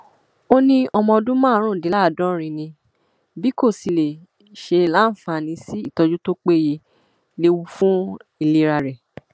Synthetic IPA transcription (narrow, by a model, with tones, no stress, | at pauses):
o˦nĩ˧ɔ˧mɔ̃˧dũ˦mãː˦˨˦ɾ̃ũ˦˨di˨˦la˦˨dɔ̃˦ɾ̃ĩ˧nĩ˧ | bi˦ko˦˨si˨˧le˨ | ʃe˧la˦n̩˨fa˨nĩ˧si˦i˦˨tɔ˧d͡ʒu˦to˦k͡pe˦˨je˧ | le˧wu˧fũ˦i˨le˦ɾa˧ɾɛ˨